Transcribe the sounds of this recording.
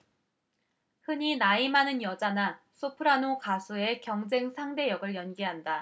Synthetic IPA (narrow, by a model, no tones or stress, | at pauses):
hɯɲinaimanɯnjʌd͡ʑana | sʰopʰɯɾanokasʰue̞kjʌŋd͡ʑe̞ŋsʰaŋde̞jʌɡɯɭjʌnɡiɦanda